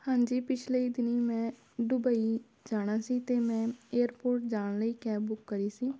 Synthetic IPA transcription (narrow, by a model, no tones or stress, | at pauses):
hãːɲd͡ʒiːpɪt͡ʃʰleːiːd̪ɪniːmɛ̃ː | ɖʊbəiː | d͡ʒaːɽ̃aːsiːt̪eːmɛ̃ːeːəɾpoːɾʈ̚d͡ʒaːɽləiːkɛːbʊkːəɾiːsiː